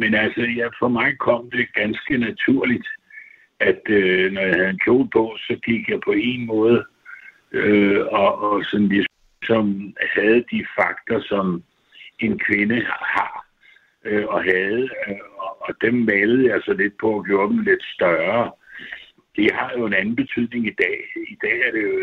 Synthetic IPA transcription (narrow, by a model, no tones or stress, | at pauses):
menælsəjæfʁɒmɑ̈ɪkʰɒ̽m̰d̥e̝ɡ̥ænsɡ̥ənæt͡sʰuɐ̰lid̥ | ʔæd̥ønɒjɑ̈hæð̞̩ˠenkʰjo̝̰ːlpʰɒ̽sɒ̽ɡ̥iɡ̥jɑ̈ɪpʰɒ̽e̝nmɔ̽ːð̞̩ˠə | øɒ̽ːsɒ̽nlis | sɒ̽mhæð̞̩ˠd̥ifɑ̈ɡ̥d̥ɐsɒ̽m | e̝nkʰʋe̝nəhɑ̈ | ɒ̽ɦæð̞ˠəɒːd̥emːæləð̩ˠjɑ̈ɪsɒ̽le̝d̥̚pʰɒ̽æɡ̥jo̝ːɐd̥em̩le̝d̥sd̥ɶɐ | ehɑ̈jo̝e̝nænn̩b̥e̝t͡sʰyð̰ˠne̝ŋid̥ɛ̰ːid̥ɛ̰ːæɐɾ̥e̝